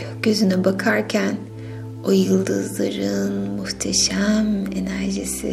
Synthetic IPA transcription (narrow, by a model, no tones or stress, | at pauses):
ɟ̥øzynybakʰaɾcʰæn | ojɯlˠd̪ɯzlˠaɾɯnmuht̪ʰeʃæmḛnæɾʒisḭ